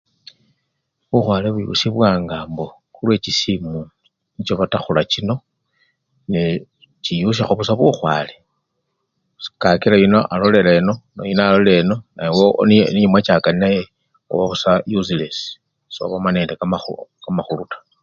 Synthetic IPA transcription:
βuxwaːleβujṵsiβwaːŋɡaːmbo̞ | xulwe̞ːt͡ʃisimu | nit͡ʃoβataxulat͡ʃino̞ | ni | t͡ʃijuʃ̬axuβusaβuxwa̰ːle̞ | kakilajino̞ʔalo̞le̞leno̞no̰jinoalole̞no̞najwonniɲimwat͡ʃaːkaninaje | o̰βaβusajuziles | so̰βamane̞ːndekaaukamaxulutḁ

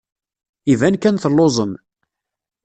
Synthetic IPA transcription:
ivænkænθəlːozˤəm

